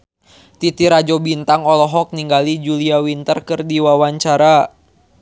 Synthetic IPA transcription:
t̪it̪iɾad͡ʒɔbint̪aŋɔlɔɦɔk̚niŋɡalid͡ʒuliawint̪ərkɨrdiwawaɲt͡ʃaɾa

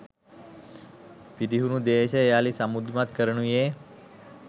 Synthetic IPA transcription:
pid̪iɦunũd̪eʃejaːlisamud̪mat̪kəɾɳũje

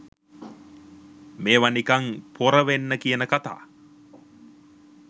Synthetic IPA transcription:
meːʋanikaŋpʰoɾəʋenːəkijənəkat̪a̰ː

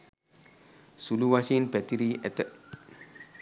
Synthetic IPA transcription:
suluwasĩnbɛtiɾiʔɛt̪ət̚

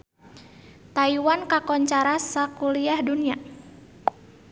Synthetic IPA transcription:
t̪aiwankakɔɲt͡ʃaɾasakuliahdunia

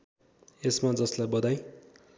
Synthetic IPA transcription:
esmad͡zʌslajbʌd̪aj

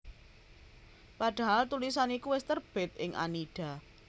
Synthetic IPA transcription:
paɖ̪̥a̤ɦalt̪ulisanikuwɪst̪ərb̥ɪ̤t̪̚ʔɪŋʔa̰niɖ̥a̤

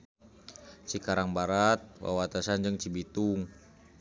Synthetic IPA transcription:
t͡ʃikaɾaŋbaɾat̪̚wa̰wat̪asand͡ʒɨŋt͡ʃibit̪uŋ

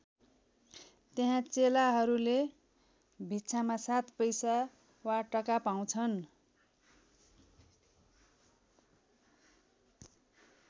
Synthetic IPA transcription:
t̪eɦãt͡selaɦʌɾule | bʱitt͡sʰamasat̪pʌjsa | waʈʌkapaw̃t͡sʰʌn

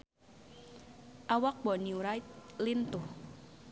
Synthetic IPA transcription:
ʔawak̚bɔnjuuɾajt̪̚lint̪ʊh

